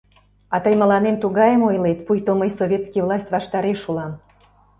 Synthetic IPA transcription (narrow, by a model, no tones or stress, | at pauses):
ɑt̪əjmə̆lɑnemt̪uɣɑjəmojlet̪̚pujt̪oməjsovʲet̪skijvlˠɑsʲtʲβɑʃt̪ɑɾeʃulɑm